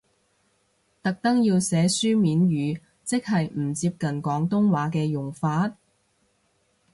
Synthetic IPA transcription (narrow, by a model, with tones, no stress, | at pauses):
t̪ɐ˨k̚t̪ɐ˥ŋjiː˧wsɛː˨˥syː˥miː˨˥njyː˨˧ | t͡sɪ˥k̚hɐ˨jm̩˨˩t͡siː˧p̚kɐ˨nkɔː˨˥ŋt̪ʊ˥ŋwaː˨˥kɛː˧jʊ˨˩ŋfaː˧˥t̚